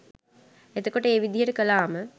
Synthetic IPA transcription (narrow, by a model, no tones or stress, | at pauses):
ed̪okoʈəeːʋid̪ijeʈəkəlaːmə